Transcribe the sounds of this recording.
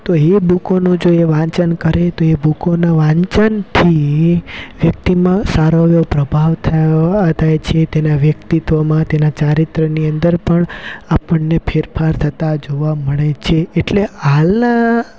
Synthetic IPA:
t̪oebukonũd͡ʒoeʋãɲt͡ʃənkəɾet̪oebukonaʋãɲt͡ʃənt̪ʰi | ʋjək̚t̪imãsaɾojopɾəbʱaʋt̪ʰt̪ʰajt͡ʃʰet̪enaʋjəkt̪it̪ʋomãt̪enat͡ʃaɾit̪ɾəniənd̪əɾpəɳapəɳnːepʰeɾpʰaɾt̪ʰət̪ad͡ʒoʋaməɭet͡ʃʰeːʈlehalna

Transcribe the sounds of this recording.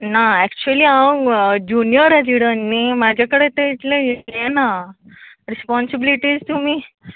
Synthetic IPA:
naɛk̚t͡ɕuəliːãd͡ʑunijəɾad͡ʑiɽənːimad͡ʑʱakəɽet̪eit̪lẽjit̪lena | ɾispɔnsibiliʈiːd͡zt̪umiː

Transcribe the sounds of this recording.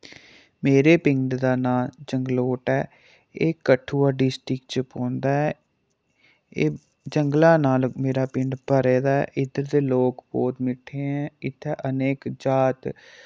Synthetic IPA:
meːɾeːpɪ̃ŋɖd̪aːnaːld͡ʒəŋɡloːʈɛː | eːkəʈʰuːaːɖɪsʈɾɪkt͡ʃəpõːnd̪aːɛː | eː | d͡ʒəŋɡlaːnaːlmeːɾaːpɪɳɖpəɾeːd̪aːɛʔɪd̪əɾd̪eːloːkbɔːt̪mɪʈʰːeːɛ̃ːɪt̪ʰːɛːʔəneːkd͡ʒaːt̪

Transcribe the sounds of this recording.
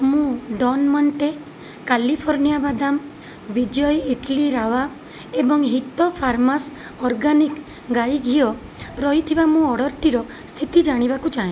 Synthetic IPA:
mũɖɔnmɔɳʈe | kalipʰɔɾnijabad̪am | bid͡ʒɔjiʈliɾaʋa | ebɔŋɦit̪ɔpʰaɾmas | ɔɾɡanik | ɡajɡʱiɔ | ɾɔɦit̪ʰibamũɔɽɔɾʈiɾɔ | st̪ʰit̪id͡ʒaɽ̃ibakut͡ʃaɦẽ

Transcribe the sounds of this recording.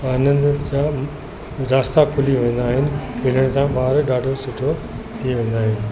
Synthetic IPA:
aːnə̃nd̪d͡ʑaː | ɾaːst̪akʰʊliʋẽːn̆d̪aːɦɪnɪ̆kʰeːləɽ̃sãɓaːɾɗaːɖʱosʊʈʰo | t̪ʰiʋẽːnd̪aːɦɪnɪ̆

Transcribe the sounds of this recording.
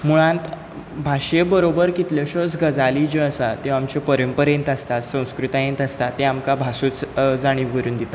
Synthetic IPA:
muɭ̃ãnt̪ | bʱaɕebəɾobəɾkit̪ləɕot͡sɡəd͡zaliːd͡ʑeəsat̪eamt͡ɕepəɾəmpəɾẽnt̪ast̪at̪sə̃w̃skɾut̪ajẽnt̪ast̪at̪ẽamkabʱasut͡sd͡zaɽ̃iʋɡəɾuːnd̪it̪a

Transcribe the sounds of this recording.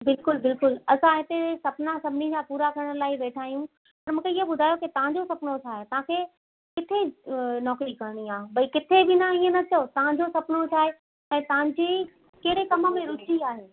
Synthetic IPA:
bɪlkʊlbɪlkʊlɐsãɦɪt̪esɐpnãsɐbʱɪnid͡ʑãpuːɾakɐɾəɽ̃əlaːɪʋeːʈʰaːjũ | pɐɾmũːkʰeɪɦobʊd̪ʱaːjokit̪ɐʋ̤ɦãɲd͡ʑosɐpnot͡ɕʰaːɦet̪ɐʋ̤ãkʰe | kɪt̪ʰenɔːkɾikɐɾɽ̃iãːbɐikɪt̪ʰebɪnaiə̃nɐt͡ɕɐot̪ɐʋ̤ãɲd͡ʑosɐpnot͡ɕʰaːɦe | ɛ̃ːt̪ɐʋãɲd͡ʑi | keɦɽekɐmə̆mẽɾʊt͡ɕiaːɦeː

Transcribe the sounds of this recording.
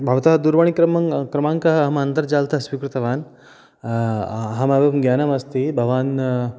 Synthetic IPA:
bʱɐʋt̪ɐɦɐd̪uɾʋɐɳikɾɐmɐkɾɐmãːŋkɐɦɐɐɦɐmɐnt̪ɐɾd͡ʒaːlt̪ɐsʋikɾut̪ɐʋaːn | ɦɐmɐbɐmɡjaːnɐmɐst̪ibʱɐʋaːn

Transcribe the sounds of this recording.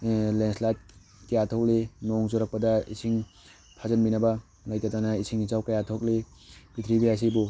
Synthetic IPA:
lenslat̚ | kijatʰɔk̚lenɔŋzɔɾak̚pɐdɐisʰiŋ | pʰazɐnbinaba | lajtatanaisʰiŋizawkajatʰɔk̚le | bit̪ʰɾibias̬ibu

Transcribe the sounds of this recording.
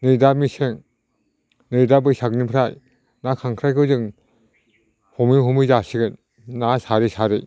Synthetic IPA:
nɯjdamiseŋ | nɯjdabɯjsak̚nipʰɾaj | nakʰaŋkʰɾajkʰɯzɯŋ | hɔmiɦɔmɯjzasiɡɯn | nasaɾisaɾɯj

